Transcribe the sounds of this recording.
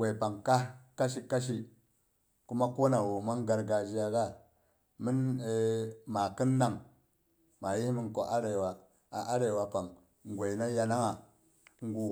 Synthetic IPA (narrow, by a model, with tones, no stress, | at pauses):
ɡe˨pa˨ŋka˦ka˦ʃi˨ka˦ʃ̬i˦ | ku˦ma˦ko˦na˨wo˨ma˦ŋɡa˨ɾɡa˨d͡ʒi˦ja˨ɡa˦˨ | mi˦n˨˦ | ma˨ki˦nːa˨ŋ | ma˨ji˦hmi˦nko˦ʔa˦ɾe˨wa˨ | a˨ʔa˦ɾe˨wa˨pa˨ŋ | ŋ˨ɡʷe˨jna˦ja˨na˦ŋa˨ | ŋ˦ɡu˨